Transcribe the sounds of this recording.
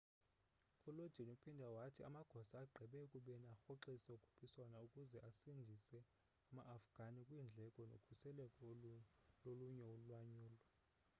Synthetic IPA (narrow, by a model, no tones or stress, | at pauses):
ulod̥ʒ̥ʱinupʰindʱawatʰiamaɡ̥ʱɔsaːɡ͡ǃʱɛɓɛkʼuɓɛniaxɔǁisɛukʼʰu̥pʰiswanaukʼuzɛʔasindʱisɛ | amaʔːfɡ̥ʱanikʼwind͡ɮʱɛkʼɔno̰kʰusɛlɛkʼɔ | loluɲɛulwaɲuːlɔ